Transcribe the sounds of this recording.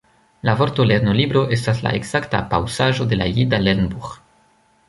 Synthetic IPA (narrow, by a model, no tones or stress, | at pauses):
lavo̞ɾto̞leɾno̞libɾo̞ʔe̞stasla̰ʔeɡz̥akta̰pawsaʒo̞de̞lajidalenbux